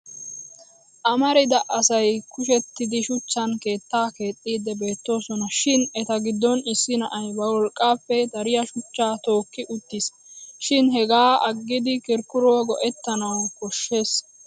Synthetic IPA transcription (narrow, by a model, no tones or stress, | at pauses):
ʔɐmɐɾɪd̪ɐʔɐsɐjkʊʃ̬ɛt̪ːɪd̪ɪʃʊt͡ʃːɐnke̞ːt̪ːaːke̞ːt̪ʼːiːd̪ːɛbe̞ːt̪ːo̞ːsɔnɐʃɪnɛt̪ɐɡɪd̪ːɔnɪsːɪnɐʔɐjbɐwɔlkʼːaːpːɛd̪ɐɾɪjɐʃʊt͡ʃːaːt̪o̞ːkːɪʔʊt̪ːɪs | ʃɪnɦɛɡaːɐɡːɪd̪ɪkɪɾkʊɾɔwɐɡɔʔɛt̪ːɐnɐwkɔʃːe̞ːs